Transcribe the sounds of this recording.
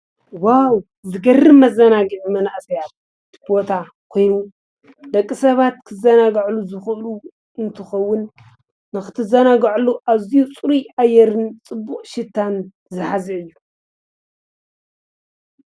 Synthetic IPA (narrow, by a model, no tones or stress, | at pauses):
waw | zɨɡɐrɨmɐzɐnaɡɨʕmɐnaʔsɐjat̪̚ | kʰbot̪ʰa | kʰo̞jnu | d̪ɐkʼːisɐβat̪kʰɨzɐnaɡʕluzɨxɨʔlu | ɨnt̪ʰɨxɐwːʊnː | ɨxɨt̪ʰɨzɐnaɡaʕluʔaβzijut͡sʼuɾiajːɛɾɨnt͡sʼɨbːuqʼʃɪt̪ʰːan | zɨħaziɨjːu